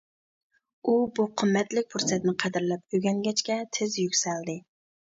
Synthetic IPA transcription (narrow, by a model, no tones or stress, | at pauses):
ubuqʰəmːɛt̪lɪk̚ʲpʰuɾsɛt̪nɪqʰɛd̪ɪɾlɛp̚øɡʲɛŋɡʲɛt͡ʃkʲɛt̪ʰɪzjykʲsɛld̪ɪ